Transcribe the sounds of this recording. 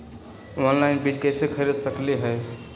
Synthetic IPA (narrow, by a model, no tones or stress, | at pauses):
onlaɪnbiːt͡ʃkəɪsekʰəɾed̪səkleɦəj